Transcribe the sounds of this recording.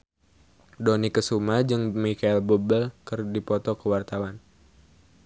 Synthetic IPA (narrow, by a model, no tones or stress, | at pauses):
dɔnikəsumad͡ʒɨŋmikailbubəlkɨrdipɔt̪ɔkəwart̪awan